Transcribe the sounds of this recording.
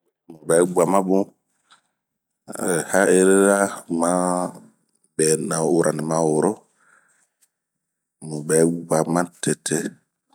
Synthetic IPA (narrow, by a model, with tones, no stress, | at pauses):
mu˨bɛ˨˦ɡ͡ba˨mã˦bũ˦˨ | ha˦e˦ɾe˦ɾa˦ma˦ | bɛ˨na˨u˦ɾʔa˨ni˨ma˦wo˨ɾo˦ | mu˨bɛ˨˦ɡ͡ba˨mã˦te˨tʰe˦